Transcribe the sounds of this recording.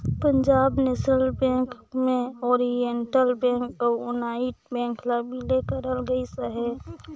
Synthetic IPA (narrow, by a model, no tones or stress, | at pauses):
pə̃ɲd͡ʒaːbnesɾəlbɛ̃ːŋk | mẽɔːɾijəɳʈəlbɛ̃ːŋkoʊnaːiʈ̚bɛ̃ːŋklabʱileːkəɾəlɡəisəɦɛː